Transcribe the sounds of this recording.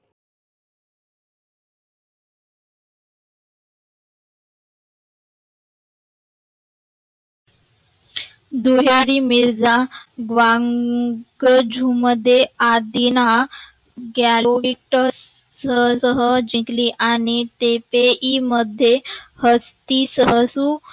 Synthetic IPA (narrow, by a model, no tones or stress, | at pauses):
d̪uɦjaɾimiɾd͡zaɡʋãŋɡəd͡ʑʱuməd̪ʱːjead̪ina | ɡaloʋiʈ | səsəɦəd͡ʑikliʔañit̪epeʔiməd̪ʱːjehəst̪isəɦəsu